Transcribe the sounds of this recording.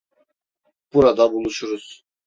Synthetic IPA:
b̥uɾad̪abulˠuʃuɾuz̥

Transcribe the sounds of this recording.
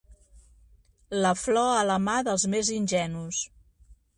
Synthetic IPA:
ləflɔələmaðəlˠzmezinʲʒɛnus

